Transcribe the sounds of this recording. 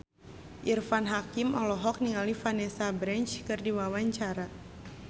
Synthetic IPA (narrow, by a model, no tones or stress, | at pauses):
ʔirfanɦakimʔɔlɔɦɔk̚niŋalifanɛsabɾɛnt͡ʃkɨrdiwawaɲt͡ʃaɾa